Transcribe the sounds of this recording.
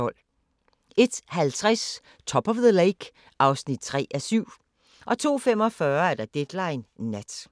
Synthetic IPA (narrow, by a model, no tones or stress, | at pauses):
ɒ̽l̰ | e̝d̥hælt͡sʰʁas | t͡sʰɒ̽b̥ɒʋðəleɪɡ̥ | ʔɑ̈ʊsnid̥̚t͡sʰʁɛ̰ːʔæsyʊ̰ | ʔɒ̽t͡sʰo̝̰ːfem̰ɒ̽fɶːɐæɐd̥ɑ̈d̥ed̥lɑ̈ɪnːæd̥